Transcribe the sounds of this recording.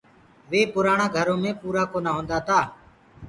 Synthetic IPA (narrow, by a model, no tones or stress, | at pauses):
ʋeːpʊɾaːɳ̃ãːɡʱəɾõːmẽːpuːɾaːkoːnaːɦõːnd̪aːt̪ʰaː